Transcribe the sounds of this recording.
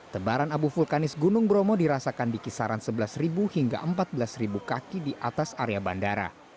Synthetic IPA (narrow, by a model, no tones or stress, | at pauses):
t̪əbaɾanabufulkanɪsɡunʊŋbɾɔmɔdiɾasakandikisaɾansəbəlasribuhiŋɡa̰ʔəmpat̪̚bəlasribukakidiʔat̪asaɾeabandaɾa̰